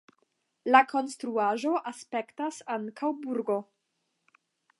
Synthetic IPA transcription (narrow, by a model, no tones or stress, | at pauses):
lakʰo̞nstɾuaʒo̞ʔaspe̞ktasaŋkʰawbuɾɡo̞